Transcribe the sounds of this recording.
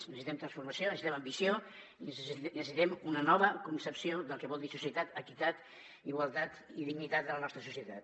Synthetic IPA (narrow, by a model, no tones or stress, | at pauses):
nəsit̪ɛmt̪ɾənsfuɾmɐsionəsit̪ɛmɐmbisio | insnəssit̪ɛmunənɔβəkunsəpsioðəlˠkəβɔlˠd̪isusiət̪at̪əkit̪at̪ | iɣwalˠt̪at̪iðiɡnit̪at̪̚d̪ələnɔst̪ɾəsusiət̪at̪